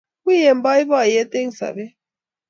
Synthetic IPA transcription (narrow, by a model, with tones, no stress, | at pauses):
i˦jɛ˨mba˦i˦βa˦˨jɛ˦t̪e˦ŋ˨sa̰˨βɛ˦